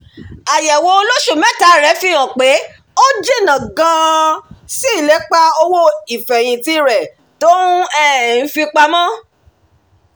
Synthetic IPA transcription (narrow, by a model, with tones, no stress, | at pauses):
a˨jɛ˨wo˧˦˧lo˦ʃo˦˨mɛ̃˦ta˨˦˨ɾɛ˨˦fĩ˦ã˨k͡pe˨˦ | o˦d͡ʒe˦˨nã˨ɡã˧ | si˦i˦˨lɛ˨˦k͡pa˦o˧wo˦i˨fɛ˨j̃ĩ˨ti˧ɾɛ˨ | to˦ũ˦ɛ˦˨n̩˦fi˧k͡pa˧mã˦